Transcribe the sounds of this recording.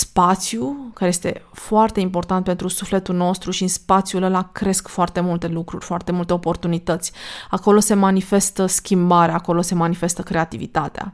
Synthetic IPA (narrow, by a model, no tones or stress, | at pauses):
spat̪sjukaɾeje̞st̪e̞foart̪e̞impo̞rt̪ant̪̚pe̞nt̪ɾusufle̞t̪ulno̞st̪ɾuʃispat̪sjuləlakɾe̞skfoart̪e̞mult̪e̞lukɾuɾʲfoart̪e̞mult̪e̞opo̞rt̪unit̪ət̪sʲako̞lo̞se̞manife̞st̪əskʲimbaɾeaːko̞lo̞se̞manife̞st̪əkɾe̞at̪ivit̪at̪ea̰